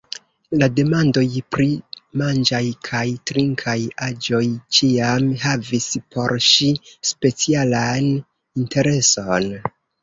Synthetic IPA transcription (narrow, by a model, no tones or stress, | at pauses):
lade̞mando̞jpɾimand͡ʒajkʰajtɾiŋkʰajad͡ʒo̞jt͡ʃiamɦavispʰo̞ɾʃispe̞t͡sialan | intʰe̞ɾe̞so̞n